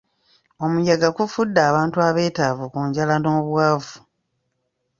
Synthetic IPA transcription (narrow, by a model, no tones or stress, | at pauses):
o̞mujaɡakufudːaːβaːntuaβe̞ːtaːvukuːɲɟalanoːβwaːvu